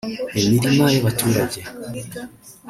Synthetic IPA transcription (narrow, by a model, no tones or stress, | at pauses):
emiɾimajoβatuːɾaɟe